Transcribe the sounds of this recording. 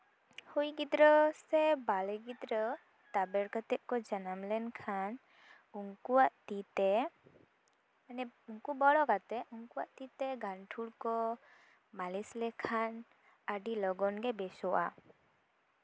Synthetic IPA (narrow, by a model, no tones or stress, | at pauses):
hujɡid̪ɾəsɛbalɛɡid̪ɾə | t̪abɛɾkət̪ɛʔ̪̚kɔd͡ʒanamlɛnkʰan | uŋkuwaʔt̪it̪ɛ | anɛuŋkubɔɽɔkat̪ɛʔuŋkuwaʔt̪it̪ɛɡanʈʰuɽkɔ | malislɛkʰan | aɖilɔɡɔnɡɛbɛsɔwa̰